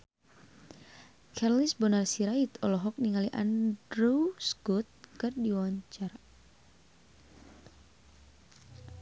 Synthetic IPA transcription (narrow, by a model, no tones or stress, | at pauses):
kʰarlisbɔnarsiɾait̪ɔlɔɦɔk̚niŋaliʔa̰ndɾuwskut̪̚kɨrdiwaɲt͡ʃara